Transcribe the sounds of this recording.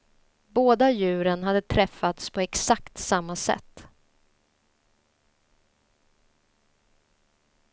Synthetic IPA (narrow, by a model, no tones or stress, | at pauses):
boːd̪ajʉ̟ːɾənɦad̪ːət̪ʰɾɛfːat̪spʰɔɛksakt̪samːasɛ̰t̪ː